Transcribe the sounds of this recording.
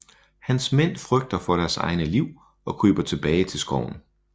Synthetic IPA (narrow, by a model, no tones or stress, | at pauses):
hænsmen̰fʁœɡ̥̚d̥ɐfɒ̽ɾ̥æɐsɑ̈ɪnəliʊ̰ | ɒ̽kʰʁy̰ːb̥ɐt͡sʰe̝b̥ɛːɪt͡sʰe̝lsɡ̥ɒ̰ʊ̰n̩